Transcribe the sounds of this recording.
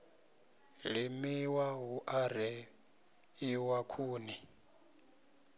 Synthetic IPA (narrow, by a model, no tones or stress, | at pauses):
limiwaɦuʔaɾɛ | iwakʰuːni